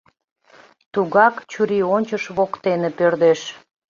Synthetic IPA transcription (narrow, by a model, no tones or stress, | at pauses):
t̪uɣɑkt͡ɕuɾionʲt͡ɕəʃβokt̪enepørd̪eʃ